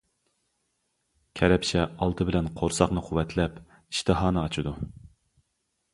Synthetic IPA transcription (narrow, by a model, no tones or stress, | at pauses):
kʲʰɛɾɛpt͡ʃʰɛɑlˠt̪ʰɨbɪlɛnqʰoɾsɑχnɨqʰʊwɛt̪ʰlɛp | iʃt̪ʰɨɦɑːnɨɑt͡ʃʰɨd̪u